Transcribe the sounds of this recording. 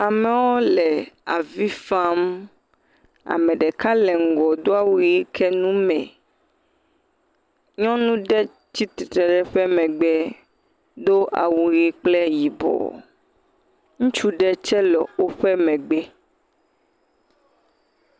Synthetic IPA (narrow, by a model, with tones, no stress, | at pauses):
a˨mɛ˨wɔ˦lɛ˨a̰˨vi˦fa˦m | a̰˨mɛ̃˨ɖɛ˨ka˦lɛ˨ŋ̩˨ɡɔ˨d̪o˦a˨wu˨ɣi˦kʰɛ˦nũ˦mɛ̃˨ | ɲɔ̃˦nũ˦ɖɛ˦ | t͡ɕi˦t̪i˨t̪ɾɛ˨ɖɛ˦ɸɛ˦mɛ̃˨ɡ͡bɛ˦ | d̪o˦ʔa̰˨wu˨ɣi˦k͡plɛ˦ji˨bɔ̰˨ | ŋũ˦t͡ʃu˦ɖɛ˦t͡ʃɛ˦lɔ̰˨wo˦ɸɛ˦mɛ̃˨ɡ͡bɛ˦